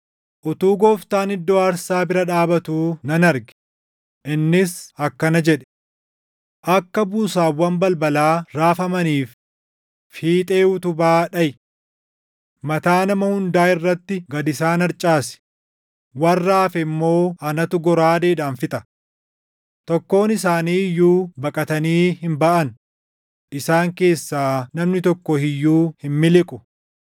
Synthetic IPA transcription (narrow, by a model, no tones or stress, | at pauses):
ʔʊt̪uːɡɔːft̪aːnɪd̪ːo̞ːɐɾsaːbɪɾɐᶑaːbɐt̪uːnɐnɐɾɡɛ̥ | ʔɪnːɪsɐkːɐnɐd͡ʒɛᶑɛ̥ | ʔɐkːɐbuːsaːfwɐmbɐlbɐlaːɾaːfɐmɐniːf | iːt̪ʼeːʊt̪ʊbaːᶑɐjɪ | mɐt̪aːnɐmɐhʊnd̪aːɪrːɐt̪ːɪɡɐd̪ɪsaːnɐɾt͡ʃʼaːsɪ̥ | wɐrːaːfɛmːo̞ːɐnɐt̪ʊɡɔɾaːd̪eːᶑaːnfɪt̪ʼɐ | t̪ɔkːo̞ːnɪs̬aːniːɪjːuːbɐkʼɐt̪ɐniːhɪmbɐʔɐn | ʔɪsaːŋke̞ːsːaːnɐmnɪt̪ɔkːɔhɪjːuːhɪmmɪlɪkʼʊ